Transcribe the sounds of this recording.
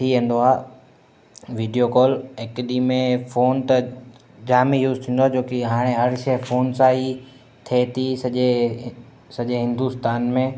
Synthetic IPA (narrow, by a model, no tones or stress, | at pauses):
t̪ʰiːʋẽːnd̪oaː | ʋiːɖijokɔːlekɗimẽfoːnt̪ɐ | d͡ʑaːmijuːzt̪ʰĩːnd̪oaːd͡ʑoːkiɦaːɽ̃eɦɐɾʃefʰoːnsaːi | t̪ʰet̪ʰisɐʄe | sɐʄeɦɪ̃nd̪ust̪aːnmẽ